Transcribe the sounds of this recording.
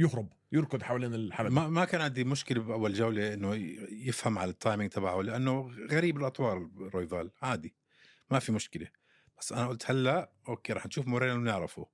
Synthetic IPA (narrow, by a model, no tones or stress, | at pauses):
jʊhɾˤʊb | jɪɾkʊd̪ħawaliːnɪlħalmamakaːnʕɪnd̪imʊʃkɪlabʔawːald͡ʒawleʔɪnːʊjɪfhamʕalat̪ˤːɑːjmɪŋt̪ʰˤɑbaʕalɪʔanːʊɣaɾiːbɪlʔɑt̪ˤwɑːɾˤɪrˤːoːjðaːlʕaːd̪i | mafimʊʃkɪle | b̥ḁsːʔanaʔʊlt̪halːaʔ | ʔoːkːeːɾˤɑːħnʃuːfmʊɾeːnɪnɪʕɾɑfṵ